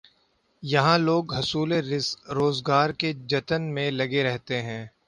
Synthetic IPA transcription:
jɐɦãloːɡɦɐsuːleɾɪskɾoːzɡaːɾked͡ʒɐt̪ənmẽlɐɡeɾɛɦt̪eɦɛ̃ː

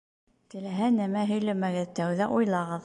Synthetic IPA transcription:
t̪ɘ̆læɦænæmæɦɵ̆jlæmæɡɘðt̪æwðæʔujlˠɑʁɤð

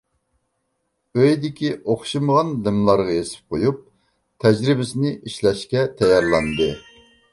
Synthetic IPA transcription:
øjd̪ɪkʲiʔoχʃiməʁɑnd̪ɪmlˠɑɾʁɑjesɪ̥p̚qʰojup̚ | t̪ʰɛd͡ʒɾɪbɪsɪnɪʔiʃlɛʃkʲɛt̪ʰɛjɑɾlˠɑnd̪ɨ

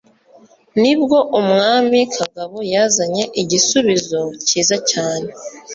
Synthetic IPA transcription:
nib̚ɡo̞ʔumŋaːmikʰaɡaβojaːzaɲe̞ʔiɟisuβizo̞ciːzacaːne̞

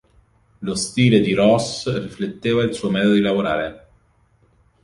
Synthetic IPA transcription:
lost̪iːled̪iɾɔsriflet̪ːeːvailsuːomɛːt̪od̪od̪ilavoɾaːɾe

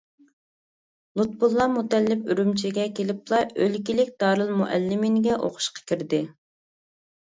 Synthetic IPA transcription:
lˠut̪̚bulˠːɑmut̪ɛlːɪpyɾymt͡ʃʰiɡʲɛkʲʰelɪplˠɑølkʲilɪkʲd̪̥ɑːɾɨlˠmuʔælːɪmɪnɡʲɛʔo̰qʰʊ̥ʃqɑ̥kʲiɾd̪ɪ

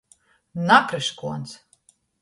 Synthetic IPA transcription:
nakɾɨʃkuɔns

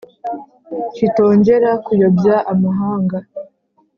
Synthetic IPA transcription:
t͡ʃito̞ːɲɟe̞ɾakujobjaʔamaɦaːŋɡa

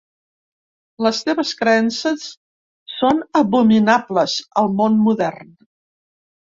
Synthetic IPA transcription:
ləst̪eβəskɾəɛnsəsː | onəβuminabləzəlˠmonmuðɛrn

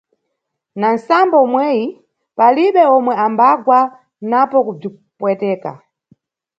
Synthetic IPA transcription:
nan̩sambɔmwɛːji | paliɓɛɔmwɛambaɡwa | napɔkub͡ʐi | pwɛtɛːka̰

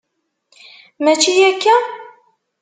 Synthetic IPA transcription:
mæt͡ʃːijækːæ

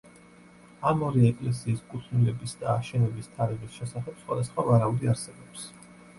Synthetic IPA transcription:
amɔɾɛɛkʼlɛs̬iːskʼut̪ʰnulɛbisd̪aːʃɛnɛbist̪ʰaɾiʁisʃɛsaχɛpsχwa̰d̪asχwavaɾauliaɾsɛbɔps

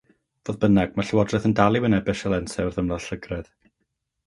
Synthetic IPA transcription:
voːðbənaɡ̥̚maɬəwɔdrɛθəndalˠɪwənɛbɪʃəlˠɛnsɛrðəmlˠaɬəɡrɛð

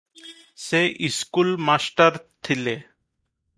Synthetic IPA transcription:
seʔiskulmasʈaɾt̪ʰile

